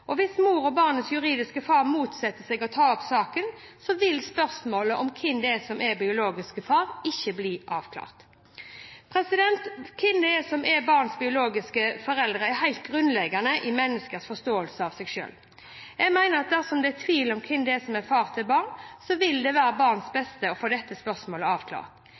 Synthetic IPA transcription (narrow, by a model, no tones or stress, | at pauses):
ʔɔʋɪsmuːɾɔbɑːʁnət̪sjʉɾiːd̪ɪskəfɑːʁmuːt̪sɛt̪ːəsɛɡɔt̪ʰɑːɔpsɑːkənsɔʋɪlspœʁsmoːləʔɔmkʰɪnd̪ɛsɔmɛbɪʊloːɡɪskəfɑːʁɪçːəbliːʔɑːʋkʰlɑ̰ːʁt̪ | pʰɾɛsɪd̪ɛnt̪kʰɪnd̪ɛɛsɔmʔɛbɑːʁnsbɪʊloːɡɪskəfɔɾɛld̪ʁəɛɾɦæɪlt̪̚ɡʁʉnlɛɡɑnəʔɪmɛnːəskəsfɔʁst̪oːəlsəɑʋsɛɡʃø̰ːl | jɛɡmæɪnəʁɑt̪̚d̪æsɔmd̪ɛɛt̪ʰʋiːlɔmkʰɪnd̪ɛɛsɔmɛfɑːʁt̪ʰɪbɑːʁnsɔʋɪld̪ɛʋæːɾəbɑːʁnsbɛst̪əɔfoːd̪ɛt̪ːəspœʁsmoːləɑːʋkʰlɑ̰ːʁt̪